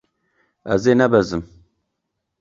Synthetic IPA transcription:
ɛ̰zeːnɛbɛzɨm

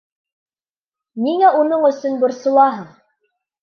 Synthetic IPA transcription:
niŋæʔunɤɴɵ̆sɵnbŏɾsŏlˠɑɦɤɴ

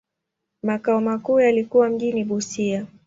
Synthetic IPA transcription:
makaɔmakuːjalikuwam̩ʄiniɓusia

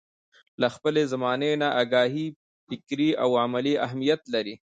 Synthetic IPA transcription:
laxpəlezamɑːnenaʔaːɡɑːɦi | fɪkɾiawamaliaɦmijat̪laɾi

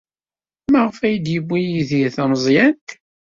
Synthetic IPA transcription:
mæʁəfæjəd̪jəbːijiðθəməzˤjænt̪

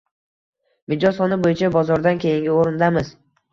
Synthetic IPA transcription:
mɪd͡ʒɒsɒnɪbojɪt͡ʃʰabɒzɒɾd̪ankʲʰe̞jɪŋɡʲɪoɾɪnd̪amɪz

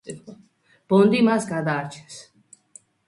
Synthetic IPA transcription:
b̥ɔnd̪imasɡad̪aːt͡ʃʰɛ̥ns

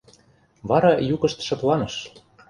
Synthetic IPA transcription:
βɑɾɑjukɤ̆ʃt̪ʃɤ̆p̪lɑnɤ̆ʃ

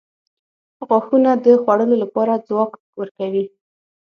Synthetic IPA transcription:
ɣwaxunad̪əxwaɽəlolapɑɾad͡zwɑk | wəɾkawi

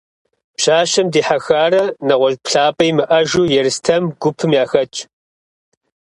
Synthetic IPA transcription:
pɕaːɕɐmdiːħaxaːrɐnɐʁʷɔʒpɬaːpʼɐjmɨʔɐʒuːjɛrɨstʰɐmɡ̥ʷʊpʰɨmjaːxɐt͡ʃʼ

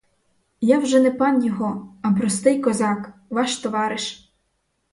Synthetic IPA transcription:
jawʒɛnɛpɑnjɔɦɔɐpɾɔst̪ɪjkɔzɑkʋɑʃt̪ɔʋɑɾɪʃ

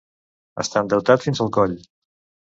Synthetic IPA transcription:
ə̰st̪and̪əwt̪at̪finzəlˠɣɔʎ

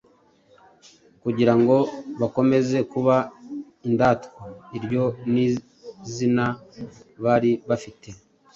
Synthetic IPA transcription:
kuɟiɾaŋɡo̞βako̞me̞ze̞kuβa | indaːtoiɾjo̞ni | zina | βaɾiβafite̞

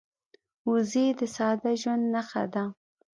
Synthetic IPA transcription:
uzed̪əsɑd̪aʒwand̪naxa̰d̪a

